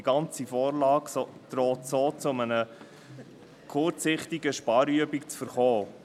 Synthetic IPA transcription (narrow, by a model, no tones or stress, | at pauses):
iɡ̥ɑnt͡sifoːrlɑːɡst̪ɾoːtsoːt͡sʊmənə | kʰʊrt͡sɪχtiɡəʃpɑːɾyəbikt͡sfəɾχoː